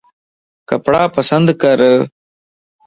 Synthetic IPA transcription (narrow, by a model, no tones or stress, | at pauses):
kɐpɽaːpɐsɐnd̪kɐɾə